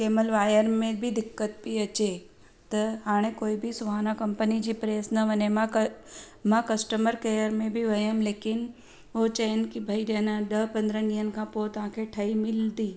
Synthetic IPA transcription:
keːməlʋaːjəɾmẽbʱɪd̪ɪkːət̪̚piɐt͡ɕe | t̪ɐɦaːɽ̃ẽkoːibʱɪsʊʋaːnakɐ̃mpənid͡ʑiːpɾeːsnɐʋɐɲem̃ | mãkɐsʈəməɾkeːjəɾmẽbʱɪʋɐjəmleːkɪn | ot͡ɕɐjənɪ̆kibʱɐiɗɐnãɗɐɦpɐ̃nd̪ɾəniːənɪ̆kʰãːpot̪ɐʋ̤ãːkʰeʈʰɐimɪld̪iː

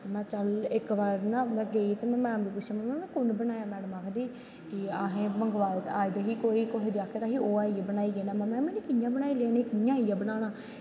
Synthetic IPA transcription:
t̪eːmɛ̃ːt͡ʃəlɪkʋaːɾnãːmɛ̃ːɡeːiːt̪eːmɛ̃ːmɛ̃ːmd̪iːpʊt͡ʃːʃaːmɛ̃ːɛ̃ːnɛ̃ːkʊnbənaːjaːmɛːɽəmaːkʰd̪iː | kɪaːɦẽːməŋɡʋaːlt̪aːid̪eɦiːkoːiːkoɦeːd̪ɪaːkʰːet̪aːɦiːoːaːiːbənaːiːɡeːnãːmɛ̃ːmɛ̃ːmɛːnĩːkɪjãːbənaːiːleːnẽːkɪjãːijãːbənaːñaː

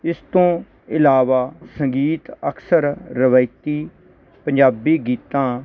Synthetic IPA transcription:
ɪst̪õː | ɪlaːʋaːsəŋɡiːt̪əkʰsəɾːəʋəɪt̪iː | pəɲd͡ʒaːbiːɡiːt̪ãː

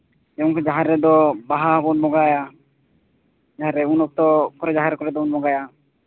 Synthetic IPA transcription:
ɛɔŋkʰɛd͡ʒaɦaɾːɛd̪ɔbaɦaɦɔbɔnmɔɡaja | d͡ʒaɦaɾɛunɔk̚t̪ɔkɔɾɛd͡ʒaɦaɾɛkɔɾɛd̪ɔunmɔɡaja

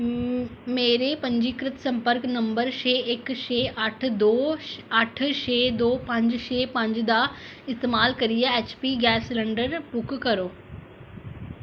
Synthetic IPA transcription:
meːɾepɐ̃ɲd͡ʑikɾɪt̪sɐ̃mpəɾknɐ̃mbəɾʃeːekʃeːʔaʈʰd̪oːɐʈʰʃeːd̪oːpɐ̃ɲd͡ʑʃeːpɐ̃ɲd͡ʑd̪a | ɪst̪eːmaːlkɐɾijaeːt͡ɕpiɡɛːslɛ̃ɳɖəɾbʊkkɐɾoː

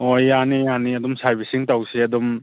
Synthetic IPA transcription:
ojanijaniɐdɔmsaɾbisiŋtawsiɐdɔm

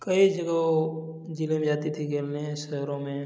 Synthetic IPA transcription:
kɐid͡ʒɐɡəo | d͡ʒilẽmd͡ʒaːt̪it̪ʰikelneɦɛ̃ʃɐɦɾõmẽ

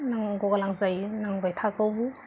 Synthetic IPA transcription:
naŋɡɔɡalaŋzajnaŋbajtʰakawbu

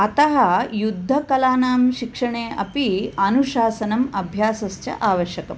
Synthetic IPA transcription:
ɐt̪ɐɦɐjud̪ʱːɐkɐlaːnaːmʃikʂɐɳeːɐ̰piɐnuʃaːsɐnɐmɐbʱjaːsɐst͡ʃɐ̰ʔaːʋɐʃjɐkɐm

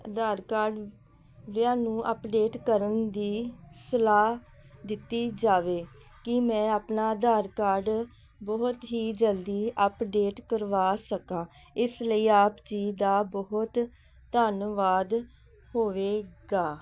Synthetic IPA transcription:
əd̪aːɾkaːɾɖ | ʋɪaːnũːʔəpɖeːʈkəɾənd̪iːsəlaː | d̪ɪt̪ːiːd͡ʒaːʋeː | kɪmɛ̃ːaːpnaːd̪aːɾkaːɾɖ | bɔɦʊt̪ɦiːd͡ʒəld̪iːʔəpɖeːʈkəɾʋaːsəkãː | ɪsləiːaːpt͡ʃiːd̪aːbɔɦʊt̪ | t̪ənʋaːd̪ | hoːʋeːɡaː

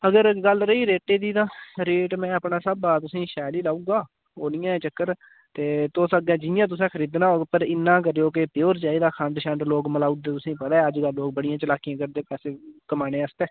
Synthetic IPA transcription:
əɡəɾɡəlɾəiːɾeːʈeːd̪iːt̪ãːɾeːʈmɛ̃ːəpnaːsəbaːt̪ʊsĩːʃɛːliːlaːũːɡaː | oːniːãːɛ̃t͡ʃəkːəɾ | t̪eːt̪ʊsəɡɛ̃ːd͡ʒɪjãːt̪ʊs̬ɛ̃ːkʰəɾiːd̪nãːoːpəɾɪnːãːk̬əɾejoːk̬epjoːɾt͡ʃaːiːd̪aːkʰəɳɖʃəɳɖloːkməlaːud̪eːt̪ʊsĩːpət̪aːɛːəd͡ʒɡəlːoːkbəɽijãːt͡ʃəlaːkijãːkəɾd̪eːpɛːseːkəmaːneːəst̪ɛː

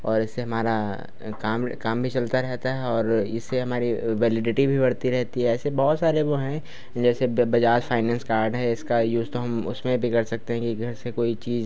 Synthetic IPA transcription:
ɔːɾɪsːeɦɐmaːɾa | kaːmkaːmbʱit͡ʃɐlt̪aɾɛɦt̪aɦɛɔːɾɪsːeɦɐmaːɾiʋɛːlɪɖɪʈibʱibɐɽt̪iɾɛɦt̪iɦɛːsebɔːt̪saːɾeʋoɦɛ̃ | d͡ʒɛːsebɐd͡ʒaːd͡ʒfʰaːɪnɛ̃ːnskaːɾɖɦɛɪskajuːzt̪oɦɐmʊ̰smẽbʱikɐɾsɐk̚t̪eɦɛ̃kiɡʱɐɾsekoːit͡ʃiːz

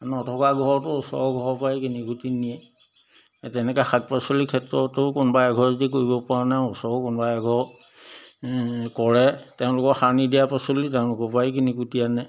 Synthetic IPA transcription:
nɔtʰɔkaɡʱɔɹtʊɔsɔ̰ɔɡʱɔɹɔpaikiniɡutinijɛ | tɛnɛkaxat̚pasolikʰːɛtɹɔtʊkʊnɔbaaɡʱɔɹzitik̬oɹibɔpɔɹanaɔsɔɔkʊnbaaɡʱɔɹ | kɔɹɛtɛʊ̃lʊkɔxanidijapasolitɛʊ̃lʊkɔpajik̬iniɡutijanɛ

